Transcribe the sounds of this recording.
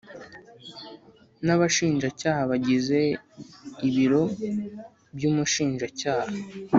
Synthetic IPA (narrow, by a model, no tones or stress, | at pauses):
naβaʃiːnʒacaːhaβaɟize̞ | iβiɾo̞ | bjuːmuʃiːnʒacaːha